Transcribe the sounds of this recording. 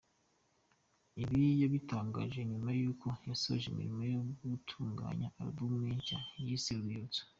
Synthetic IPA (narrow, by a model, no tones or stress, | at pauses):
iβijaβitaːŋɡaːʒeɲumajuːko̞jasoʒemḭɾimojoɡutʰuːŋɡa̰ːɲaːɾḭbumŋeːɲʃajisiɾujot͡so̥